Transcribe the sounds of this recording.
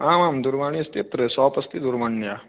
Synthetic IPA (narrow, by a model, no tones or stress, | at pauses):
aːmaːmd̪uɾmaːɳ̃iɐst̪ip̪ɾesɔːpɐst̪id̪uɾmaɳːja